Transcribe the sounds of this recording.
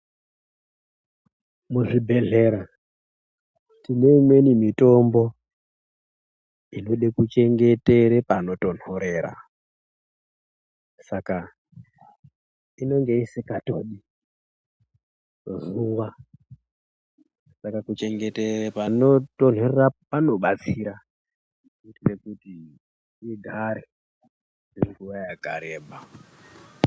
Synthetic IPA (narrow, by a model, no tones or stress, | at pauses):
muʐibʱe̞ɮe̞ɾa | tine̞imwe̞nimito̞mbo̞ | ino̞ɗekut͡ʃe̞ŋɡe̞te̞ɾepano̞to̞n̥o̞ɾe̞ːɾa̰ | saka | ino̞ŋɡe̞isikato̰ɗi | zuʋa | sakakut͡ʃe̞ŋɡe̞terepano̞to̞n̤o̞rerapano̞ɓat͡siɾa | utire̞kutiː | ɡʱaɾe | niriruʋajaɡʱa̰ɾeːɓa